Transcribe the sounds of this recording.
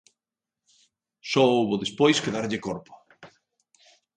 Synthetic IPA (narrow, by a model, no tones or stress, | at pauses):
sɔowβoðespojskeðaɾʎɪkoɾpo̥